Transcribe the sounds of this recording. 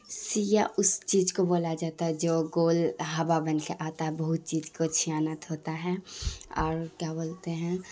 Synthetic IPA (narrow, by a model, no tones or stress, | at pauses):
sijaʔʊst͡ʃiːd͡ʒkoboːlad͡ʒaːt̪aɦɛd͡ʒoːɡoːlɦɐʋabɐnkeʔaːt̪aɦɛbɐɦʊt̪̚t͡ʃiːd͡ʒkot͡ʃʰijaːnət̪ɦoːt̪aɦɛɔ̰ːɾkjaːboːlt̪eɦɛ̃